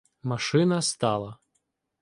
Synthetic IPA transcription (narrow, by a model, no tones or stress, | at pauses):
mɐʃɪnɐst̪ɑlˠɐ